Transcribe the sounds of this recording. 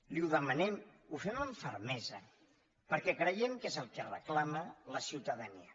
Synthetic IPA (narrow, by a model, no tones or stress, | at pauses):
liuðəmənɛmufɛməɱfəɾmɛzə | pəɾkɛkɾəjɛmkezəlˠkərə̰klamələsiwt̪əðəniə